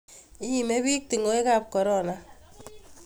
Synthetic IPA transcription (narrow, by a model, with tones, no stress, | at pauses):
i˦˨me˦βi˦k̚ti˨ŋɡo˦e˦ka˦p̚kɔ˨ɾɔ˦˨na˦